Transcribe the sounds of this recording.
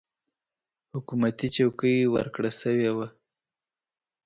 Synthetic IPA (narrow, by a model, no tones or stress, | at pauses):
hʊkumat̪it͡ʃawkəjwə̰ɾkɽasəwewa